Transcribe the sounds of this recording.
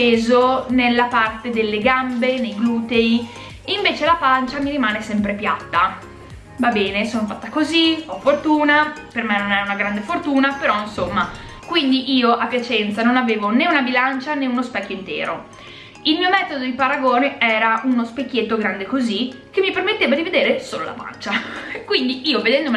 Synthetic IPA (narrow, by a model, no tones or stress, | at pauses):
peːzonelːapart̪ed̪elːeɡambenejɡluːt̪ei | iɱveːt͡ʃelapant͡ʃamiɾimaːnesɛmpɾepja̰t̪ːa | vabɛːnesoːnofat̪ːakoziɔfort̪uːnapermɛnonɛɾaunaɡɾand̪efort̪uːnapeɾɔinsomːakwind̪iʔiːoʔapːjat͡ʃɛnt̪sanonaveːvoneunabilant͡ʃaneunospɛkːjoint̪ḛːɾo̰ | ilmiːomɛːt̪od̪od̪ipaɾaɡoːneɛːɾaunospekːjet̪ːoɡɾand̪ekozik̟emːipermet̪ːeːvad̪ived̪eːɾesoːlola̰pa̰nt͡ʃakwind̪iiːoved̪ɛnd̪om